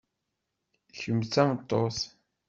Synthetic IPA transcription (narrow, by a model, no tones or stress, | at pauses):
çəmt͡sːæmt̪ˤːos